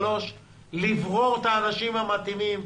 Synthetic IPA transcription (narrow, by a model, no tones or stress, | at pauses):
lo̞ʃ | livʁo̞ʁt̪aːnaʃimhamat̪imim